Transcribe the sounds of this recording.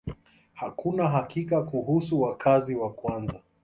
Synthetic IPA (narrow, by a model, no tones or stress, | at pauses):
hakunaɦakikakuɦusuwakʰaziwakwanza